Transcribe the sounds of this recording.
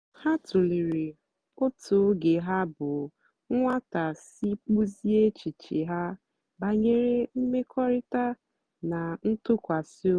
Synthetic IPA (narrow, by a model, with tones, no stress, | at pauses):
ha˦tʊ˨li˨ɾi˨ | ʊ˦tʰʊ˨˦ɡe˨ɦa˦bʊ˨˦ | ŋʷa˦ta˨si˦k͡pu˦zi˦e˦t͡ʃi˨t͡ʃi˨ɦa˦ | ba˨ɲe˦ɾe˦m̩˦me˦kʰɔ˦ɾɪ˦ta˦ | na˨n̩˦tʊ˦kʷa˨sɪ˦o˦